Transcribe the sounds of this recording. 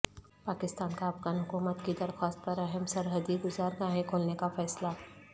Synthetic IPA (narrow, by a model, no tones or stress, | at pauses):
paːkɪst̪aːnkaɐpɣaːnɦʊkuːmət̪kid̪ɐɾxwaːst̪̚pɐɾɐɦəmsɐɾɦəd̪iɡʊzaːɾɡaːɦẽkʰoːlnekafɛːsla